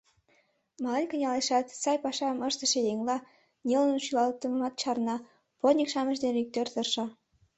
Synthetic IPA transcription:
mɑlɤnʲkə̆nʲɑleʃɑt̪sɑjpɑʃɑməʃt̪ə̆ʃĕjeŋlɑ | nʲelə̆nnʃylɑl̚t̪ə̆mɑt̪t͡ɕɑrnɑ | pot̪nʲikʃɑmə̆ʃd̪enik̚t̪ørt̪ərʃɤ̆

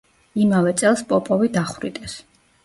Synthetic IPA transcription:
imavɛt̪sʼɛlˠspʼɔpʼɔvid̪aχɾid̪ʼɛs

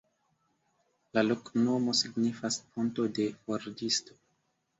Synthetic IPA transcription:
lalokno̞mo̞siɡnifasponto̞de̞foɾdisto̞̥

